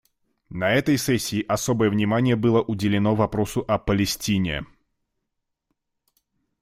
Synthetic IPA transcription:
nɐɛt̪əjsɛsʲːɪːʔɐso̞bəjəvnʲɪmanʲɪjəbɨlˠəʔʊdʲɪlʲɪnovɐpɾo̞sʊʔɐpəlʲɪsʲtʲinʲɪ̰

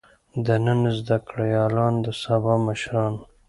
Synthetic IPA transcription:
d̪ənənzd̪akɽajɑlɑnd̪əsabɑməʃɾɑn

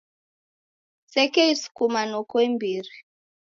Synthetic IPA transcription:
sɛkɛisu̥kumanɔkɔimbiːɾi

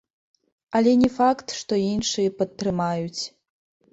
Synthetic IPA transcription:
ɐlʲɛnʲɛfakt̪ʂt̪ɔinʂɨjɛpɐt̪ːɾɨmajut͡sʲ

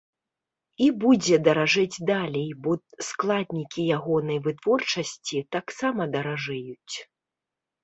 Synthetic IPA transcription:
ibud͡zʲɛd̪ɐɾaʐɨd͡zʲd̪alʲɛjbɔsklˠad̪ʲnʲikʲijaɣɔnɐjvɨt̪vɔrt͡ʂɐsʲt͡sʲit̪aksamɐd̪ɐɾaʐɨjut͡sʲ

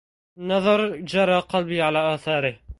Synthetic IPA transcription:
nɑðˤɑɾˤd͡ʒɑɾˤɑqɑlbiːʕalaːʔaːθɑːɾɪh

